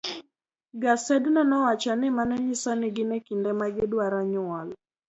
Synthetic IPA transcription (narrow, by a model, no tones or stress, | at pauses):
ɡasɛdnɔnɔwat͡ʃanɪmanɛɲɪsɔnɪɡɪnɛkindɛmaɡɪdwaɾaɲʊɔl